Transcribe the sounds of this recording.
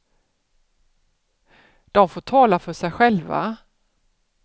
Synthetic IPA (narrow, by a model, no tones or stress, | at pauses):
d̪̥ɔmfoːʈʰɑːlafœʂɛjɧɛlva̰